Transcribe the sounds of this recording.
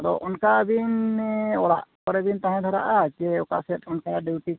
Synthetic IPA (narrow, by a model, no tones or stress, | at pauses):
aɾɔ̰ʔɔnkabinɔɽa̰ʔkɔɾɛbint̪ãɦɛ̃d̪ʰʱɔɾa̰ʔat͡ʃɛɔka̰sɛt̪ɔnkaɖiwʈi